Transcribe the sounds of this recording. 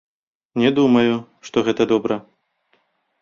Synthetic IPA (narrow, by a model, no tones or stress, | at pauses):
nʲɛd̪umɐju | ʂt̪ɔɣɛt̪ɐd̪ɔbɾɐ